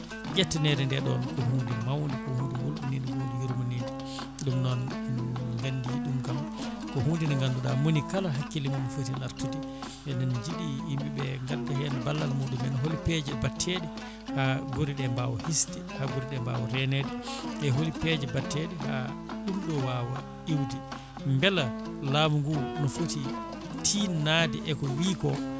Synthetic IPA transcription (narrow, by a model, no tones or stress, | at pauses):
ɡɛtːɛnɛɾɛndɛɗɔ̰nɗɛhuːndimawndikɔhundiwula̰nːindiɡudujuɾmanidi | ɗumnɔn | ŋɡanːdiɗumkam | kɔhuːndinɔŋɡanduɗamonikalaɦakːilimanɔfutinaɾtuti | ɛnɔnd͡ʒiɗiːmbiɓɛŋɡadahɛnɛbalːalmuɗumɛnɔɦolipɛd͡ʒɛbatʰːeɗɛ | haɡoɾiɗɛmbawɔhistɛhaɡoɾiɗɛmba̰wɔɾɛnedɛʔɛɦolipɛd͡ʒɛbatːɛɗɛha̰ | ɗumɗɔwaːwa | ɗiwdi | mbɛla | laːmuŋɡunɔfuti | tʰinaːdɛ̰ʔɛkɔwiːkɔ